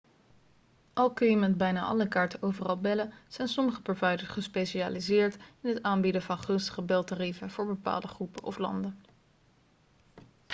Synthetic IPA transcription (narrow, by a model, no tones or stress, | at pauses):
ʔɑlˠkɵjəməd̚bɛjnaːʔɑ̰ləkaːɹtəowvərɑlˠbɛləz̥ɛjnsɔməχəpɔɹvɑjdəsχəspejʃia̰ːlizɪːɹtɪnɦətaːmbidəvɑnχɵnstə̥χəbɛlˠtarivənv̥ʊːɹbəpa̰ːlˠdəχrupənʔɔ̰flɑ̰ndən